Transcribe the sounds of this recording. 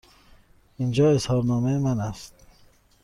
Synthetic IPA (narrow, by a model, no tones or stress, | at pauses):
ind͡ʒɒːe̞shɒːɾnɒːmejemænæst̪̚